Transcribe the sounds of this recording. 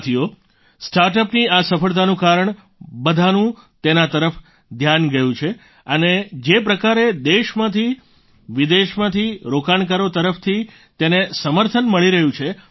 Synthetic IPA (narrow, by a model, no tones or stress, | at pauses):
t̪ʰijo | sʈaɾʈ̬əpniasəfəɭt̪̬anũkaɾəɳ | bəd̪ʱanũ | t̪enat̪əɾəf | d̪ʱjanɡəjũt͡ʃʰe | əned͡ʒepɾəkaɾed̪eʃmãt̪ʰi | ʋid̪eʃmãt̪ʰiɾokank̬aɾot̪əɾəft̪ʰi | t̪enesəməɾt̪ʰənməɭiɾəɦjũt͡ʃʰe